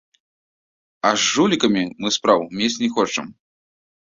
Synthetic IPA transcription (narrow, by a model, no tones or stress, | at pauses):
ɐʐːulʲikɐmʲimɨspɾawmʲesʲnʲɛxɔt͡ʂɐ̰m